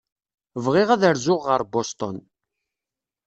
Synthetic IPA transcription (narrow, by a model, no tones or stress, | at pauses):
vʁɪʁæðəɾzʊʁːəɾˤbost̪ɔ̰n